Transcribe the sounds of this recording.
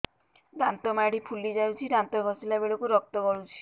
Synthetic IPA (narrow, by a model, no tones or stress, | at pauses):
dant̪ɔmaɽipʰulid͡ʒawt͡ʃʰiɾant̪ɔɡʱɔsilabeɭokuɾɔk̚t̪ɔkɔɭut͡ʃʰi̥